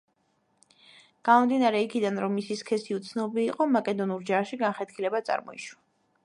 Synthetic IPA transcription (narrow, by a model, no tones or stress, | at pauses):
ɡ̥amɔmd̪inaɾɛikʰid̪anɾɔmːisiskʰɛsiut̪sʰnɔbiːqʼɔmakʼɛd̪ɔnuɾd͡ʒaʃiɡanχɛt̪kʰilɛbat̪sʼa̰ɾmɔ̰ḭʃwa